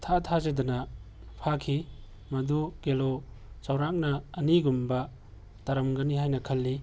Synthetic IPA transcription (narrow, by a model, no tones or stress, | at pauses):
tʰatʰazedɐnɐ | pʰakʰi | mɐduɡ̥elo | t͡ʃɐwɾak̚nɐːniɡumbɐ | tɐɾɐmɡɐniɦajnɐkʰɐlːi